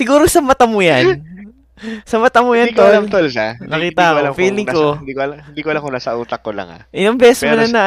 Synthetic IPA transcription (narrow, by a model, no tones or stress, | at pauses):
sɪɡuːɾosɐmɐt̪ɐmʊjan | sɐmɐt̪ɐmʊjank̪olmt̪olsanɐkiːt̪aʔkfiːlɪŋkod̪ikɪnd̪iːkoʔɐlamkonaːsɐʔuːt̪ɐkːolɐ̰ŋa̰ʔɪnoŋbɛʔsmɐnɐnɐ